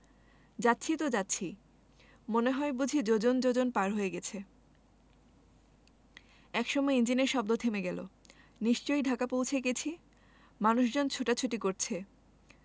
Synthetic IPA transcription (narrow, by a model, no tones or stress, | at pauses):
d͡ʑatːɕʰit̪od͡ʑatːɕʰi | moneɦɔebud͡ʑʱid͡ʑod͡ʑond͡ʑod͡ʑonpaɾɦoeɡɛt͡ɕʰe | ɛkʃɔmɔeind͡ʑineɾʃɔb̚d̪ot̪ʰemeɡɛlo̰ | niʃt͡ɕojɖʱakapowt͡ɕʰeket͡ɕʰi | manuʃd͡ʑont͡ɕʰoʈat͡ɕʰoʈikoɾt͡ɕʰe